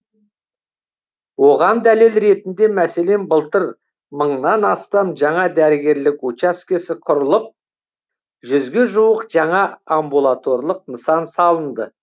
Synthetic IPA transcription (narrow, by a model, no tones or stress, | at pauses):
wo̞ʁɑnd̪æle̞lɾe̞t̪ɪnd̪e̞mæse̞le̞nbəlˠt̪əɾ | məɴnɑnɑst̪ɑmʒɑɴɑd̪æɾɪɡʲe̞ɾlɪkut͡ʃaskʲe̞sɪqʰʊɾəlˠəp̚ | ʒʏzɡʲe̞ʒuwəqʒɑɴɑambulˠat̪o̞ɾlˠəq̚nəsɑnsɑlˠənd̪ə